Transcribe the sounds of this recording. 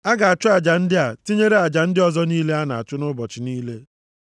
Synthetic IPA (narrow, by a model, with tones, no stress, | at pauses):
a˦ɡa˨a˨t͡ʃʊ˦a˨d͡ʒa˨n̩˦dɪ˦a˨ti˦ɲe˦ɾe˦a˨d͡ʒa˨n̩˦dɪ˦ɔ˨zɔ˦niː˦le˦a˦na˨a̰˨t͡ʃʊ˦nʊ˦bɔ˨t͡ʃɪ˨niː˦le˦